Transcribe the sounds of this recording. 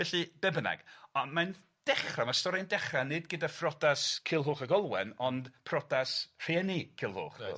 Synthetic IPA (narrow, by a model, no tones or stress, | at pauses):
vɛɬɨbɛbna̰ɡ̥ɔman | d̥ɛχramastɔɾindɛχranɨdɡədafrɔdaskʰɪlˠɦoːχəɡɔlˠwɛnɔndpʰrɔdasr̥iɛnikʰɪlˠho̰ːχ